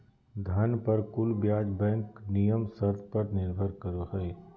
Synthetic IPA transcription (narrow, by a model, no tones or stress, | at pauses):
d̪ʱɐnpɐɾkʊlbjaːd͡ʒbɛ̃ːŋknijəmsɐɾd̪ʰʱpɐɾnɪɾbʱəɾkəɾoɦɛe